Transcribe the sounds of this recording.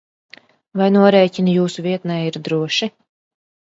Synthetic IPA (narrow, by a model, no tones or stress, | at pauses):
vajnuɔɾɛːcʲinujuːsuviɛt̪nɛjiɾd̪ɾuɔʃi